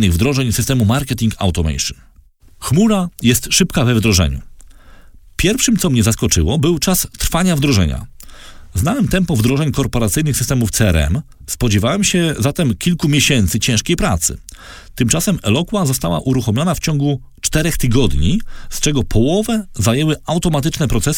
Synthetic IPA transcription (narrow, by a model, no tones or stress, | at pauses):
nɘɣvd̪ɾɔʐɛɲsɘst̪ɛmumaɾkɛt̪ʲiŋkʰa̰wt̪ɔmɛ̰jʂɨ̰n | xmuɾajɛst̪ʂɘpkavɛvd̪ɾɔʐɛ̰ɲṵ | pʲjɛɾfʂɘmt̪sɔmɲɛzaskɔt͡ʂɘwɔbɘwt͡ʂast̪ɾfaɲavd̪ɾɔʐɛ̰ɲa̰ | znawɛmt̪ɛmpɔvd̪ɾɔʐɛɲkɔɾpɔɾat̪sɘjnɘxsɨst̪ɛmuft̪sɛɛɾɛ̰m | spɔd͡ʑɛvawɛmɕɛzat̪ɛmkʲilkumʲjɛɕɛnt̪sɘt͡ɕɛ̃ʂkʲejpɾat̪sɘ̰ | t̪ɘmt͡ʂasɛmɛ̰lɔkwazɔst̪awa̰ʔuɾuxɔmʲjɔnaft͡ɕɔŋɡu | t͡ʂt̪ɛɾɛxt̪ɘɡɔd̪ɲist͡ʂɛɡɔpʰɔwɔvɛzajɛwɘawt̪ɔmat̪̬ɘt͡ʂnɛpɾɔt̪sɛs